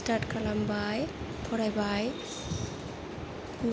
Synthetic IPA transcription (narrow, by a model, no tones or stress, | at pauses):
taʈkalambaj | pʰɔɾajbaj | m